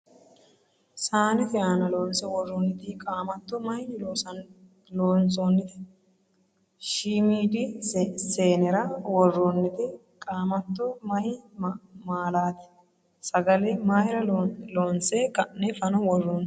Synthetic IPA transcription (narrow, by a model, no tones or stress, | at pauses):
saːnɪfɪjaːnɐloːnsɛwɔrːɔnːɪt̪ɪkʼaːmɐt̪ːɔmɐjloːsɐn | loːnsʼoːnːɪt̪ɪ̥ | ʃiːmiːd̪ɪseːnɛɾɐwɔrːɔnːɪt̪ɪ | kʼaːmɐt̪ːɔmɐj | maːlaːt̪ɪ̥ | sɐɡɐlɛmaːjɪɾɐloːnsɛkʼɐʔɛfɐnɔwɔrːɔn